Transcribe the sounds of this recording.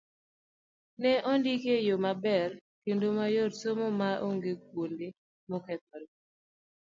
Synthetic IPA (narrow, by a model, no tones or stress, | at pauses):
nɛʔɔndikejomabɛrkendomajotsomomaʔo̰ŋɡek̚wonde | mɔkɛp̚ɾ